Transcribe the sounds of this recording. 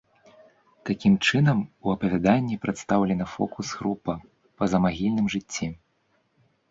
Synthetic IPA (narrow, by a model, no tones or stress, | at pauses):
t̪akʲimt͡ʂɨnɐmuɐpɐvʲad̪anʲːipɾɐt̪st̪awlʲɛnɐfɔ̰kusɣɾupɐ | pɐzɐmaɣʲilʲnɨmʐɨt͡sʲːi